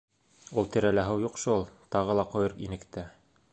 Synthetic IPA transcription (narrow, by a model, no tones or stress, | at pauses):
ulˠt̪ɘ̆ɾælæɦɘwjuqʃulˠt̪ɑʁɤ̆lˠɑqŏjɤ̆ɾinɘ̆kt̪æ